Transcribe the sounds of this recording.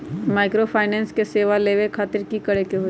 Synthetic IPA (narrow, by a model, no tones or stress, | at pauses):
maːɪkɾopʰaːɪnɛ̃ːnskeseːʋaleːʋekʰaːt̪ɪɾkikɐɽekeɦo